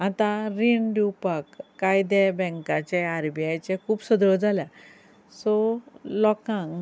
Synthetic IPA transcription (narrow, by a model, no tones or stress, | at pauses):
at̪ãɾinɖiwpakːajd̪ɛbɛ̃ŋkat͡ɕeaɾbijajt͡ɕekʰuːbsəd̪ɾəd͡zalja | sɔlɔkãŋ